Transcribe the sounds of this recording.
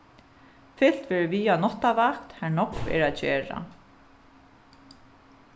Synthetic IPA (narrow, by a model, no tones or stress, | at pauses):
fɪl̥t̪vɛːɹʏviːanɔt̪ːavakt̪hænɔkvɛ̰ɹaðt͡ɕɛːɹa̰